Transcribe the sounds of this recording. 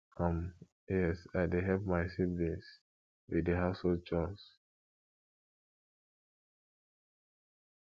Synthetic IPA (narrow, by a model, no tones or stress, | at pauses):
kʰɔ̃m | jɛsaɪdeɦɛp̚maɪsivis | widəɦaʊshod̚t͡ʃɔs